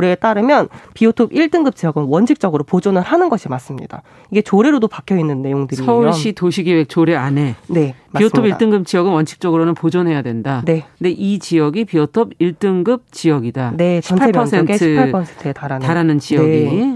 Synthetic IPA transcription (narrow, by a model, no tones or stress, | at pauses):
ɾeːt͈aɾɯmjʌnpiotʰobiɭt͈ɯŋɡɯp̚t͡ɕ͈ijʌɡɯnwʌnt͡ɕʰik̚t͡ɕ͈ʌɡɯɾopod͡ʑʌnɯɭhanɯnɡʌɕʰimas͈ɯmɲḭda̰ | iɡe̞t͡ɕoɾe̞ɾodopakʰjʌinːɯnːe̞joŋdɯɾsiʌuɭɕ͈itoɕʰiɡiwek̚t͡ɕoɾe̞ane̞nemaioɯmʰobiɭat͈ɯŋɡɯp̚t͡ɕ͈ijʌɡɯnwʌnt͡ɕʰi̥k̚t͡ɕ͈ʌɡɯɾonɯnpod͡ʑʌnɦe̞jadwe̞ndane̞nde̞ʔit͡ɕijʌɡipiotʰobiɭt͈ɯŋɡɯp̚t͡ɕijʌɡidane̞ɕʰiʌnpʰaemjʰʌŋsʰentʰiɯaɭpʰʌsʰentʰɯetaɾantaɾanɯnt͡ɕijʌɡi